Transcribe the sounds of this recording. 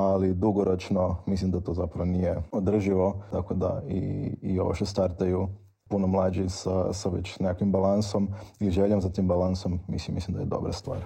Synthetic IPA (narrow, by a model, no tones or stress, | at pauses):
alid̪uɡoɾot͡ʃno̞mislimd̪at̪o̞ːzapɾaʋonijeod̪r̩ʒiʋo̞t̪akod̪a̰ḭːo̰ʃt̪est̪aɾt̪aju | punomlˠaːd͡ʒisasaʋḛt͡ɕnekakʋimbalˠanso̞miliʒeʎomsat̪iːmbalansomːḭslimːislimd̪ajed̪o̞̰bɾast̪ʋa̰ːɾ